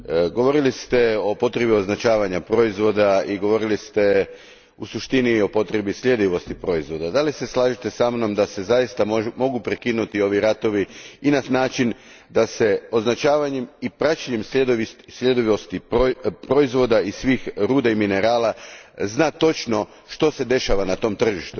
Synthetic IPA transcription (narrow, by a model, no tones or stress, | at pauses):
ɡo̞ʋo̞ɾilist̪e̞o̞po̞t̪ɾe̞bio̞znat͡ʃaːʋaɲapɾo̞izʋo̞d̪aiɡo̞ʋo̞ɾilist̪e̞ | usuʃt̪inio̞po̞t̪ɾe̞bisʎʲje̞d̪iʋo̞st̪ipɾo̞izʋo̞d̪ad̪alise̞slˠaːʒit̪e̞samno̞md̪ase̞zajist̪amo̞ɡupɾekinut̪io̞ʋiɾat̪o̞ʋiinanaːt͡ʃin | d̪ase̞o̞znat͡ʃaːʋaɲemipɾat͡ʃaɲemsed̪sʎʲe̞d̪iost̪ipɾo̞izʋo̞d̪aisʋiːxɾuːd̪aimine̞ɾaːlaznaːt̪o̞t͡ʃno̞ | ʃt̪o̞se̞d̪e̞ʃaʋanat̪o̞mt̪r̩ʒiʃt̪u